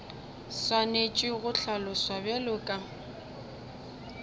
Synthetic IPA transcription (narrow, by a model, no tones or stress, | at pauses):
swanet͡ʃʼɪɣʊɬalɔswabɛlʊkʼa